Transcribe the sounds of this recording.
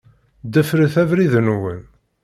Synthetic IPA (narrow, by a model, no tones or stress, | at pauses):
d̪əfɾəθævɾiðənwən